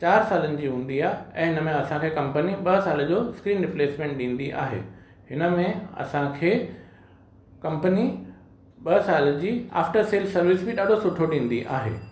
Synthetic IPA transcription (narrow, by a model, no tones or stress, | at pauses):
t͡ɕaːɾsaːlənɪ̆d͡ʑiːɦũːn̆d̪iaːɦeɛ̃ːɦɪnə̆mẽɐsãkʰekɐ̃mpəniɓɐsaːld͡ʑoːskɾiːnɾɪpleːsmẽːɳʈ̚ɗĩːn̆d̪iʔa̰ːɦḛː | ɦɪnə̆mẽɐ̰sãkʰeː | kɐ̃mpəni | ɓɐsaːld͡ʑiːa̰ːfʈəɾseːlsɐɾʋɪsbɪɗaːɖʱosʊʈʰoɗĩːn̆d̪iʔa̰ːɦḛː